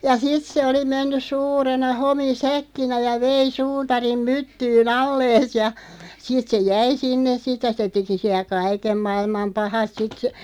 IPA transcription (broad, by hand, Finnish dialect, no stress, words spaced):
jɑ sit se oli menːys suːrenɑ homisækːinæ jɑ ʋei suːtɑrim mytːyːn ɑlːeːs jɑ sit se jæi sinːes sit jɑ se teki siæ kɑikem mɑilmɑm pɑhɑt sit sə̆